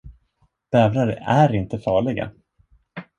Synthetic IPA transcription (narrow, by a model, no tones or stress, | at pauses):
d̪̥ɛːvɾaɾə̰æɾɪnt̪əfɑːɭɪɡa̰